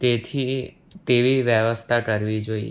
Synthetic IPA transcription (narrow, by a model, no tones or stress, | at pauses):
t̪et̪ʰi | t̪eʋiʋjəʋəst̪ʰakəɾʋid͡ʒoḭ